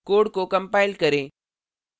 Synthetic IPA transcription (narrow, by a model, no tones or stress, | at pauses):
koːɽkokɐ̃mpaːɪlkɐɾẽː